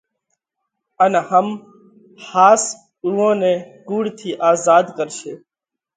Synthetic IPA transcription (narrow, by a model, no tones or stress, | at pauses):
ənahəm | haːs | uːõːnẽːkuːɽt̪ʰiːʔaːzaːd̪kəɾʃeː